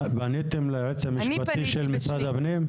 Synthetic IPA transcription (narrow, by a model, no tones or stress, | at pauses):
banet̪emlaʁet͡samiʃpat̪iʃelmisad̪abnem